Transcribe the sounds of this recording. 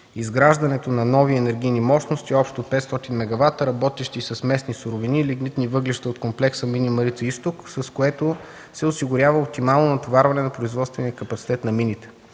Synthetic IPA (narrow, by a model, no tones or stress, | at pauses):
izɡɾaʒd̪ɐnɛt̪onɐnɔviɛnɛɾɡʲijnimɔʃnost̪iɔpʃt̪opɛt̪st̪ɔt̪inmɛɡɐvat̪ɾɐbɔt̪ɛʃt̪isɐsmɛsnisʊɾoviniliɡnit̪nivɤɡliʃt̪əot̪komplɛksəminimɐɾit̪səist̪oksɐskoɛt̪o | sɛosiɡʊɾʲjavəop̚t̪imalˠnonɐt̪ovaɾvɐnɛnɐpɾoizvɔt̪st̪vɛnijəkɐpɐt̪si̥t̪ɛt̪nɐminit̪ɛ̥